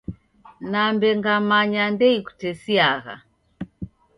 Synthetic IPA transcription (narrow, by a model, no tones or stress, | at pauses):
nambɛŋɡamaɲandɛiku̥tɛsiaɣa̰